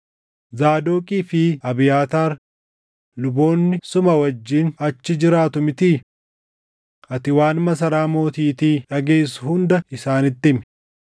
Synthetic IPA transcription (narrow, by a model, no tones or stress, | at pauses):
zaːd̪oːkʼiːfɪɐbɪjaːt̪aːɾ | lʊbo̞ːnːɪsʊmɐwɐd͡ʒːiːnɐt͡ʃːɪd͡ʒɪɾaːt̪ʊmɪt̪iː | ʔɐt̪ɪwaːnmɐs̬ɐɾaːmo̞ːt̪iːt̪iːᶑɐɡe̞ːsʊhʊnd̪ɐɪsaːnɪt̪ːɪmɛ̥